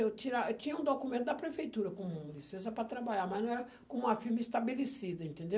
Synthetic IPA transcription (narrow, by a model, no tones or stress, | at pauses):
ewt͡ʃiɾat͡ʃĩɲɐũd̪okumẽnt̪ʊd̪ɐpɾefejt̪uɾɐkõmũlisẽs̬ɐpɾɐt̪ɾabaʎaɾmɐznɐ̃w̃ɛɾɐ | kõmũmɐfiɾmɐist̪abelesid̪ɐẽnt̪ẽnd̪e